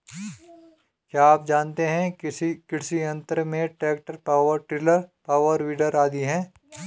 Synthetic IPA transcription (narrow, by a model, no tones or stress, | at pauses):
kjaːaːp̚d͡ʒaːnt̪eɦɛ̃kɪɽsiɐ̃nt̪əɾmẽʈɛːk̚ʈəɾpaːʋəɾʈɾɪləɾpaːʋəɾʋiːɖəɾaːd̪iɦɛ̃ː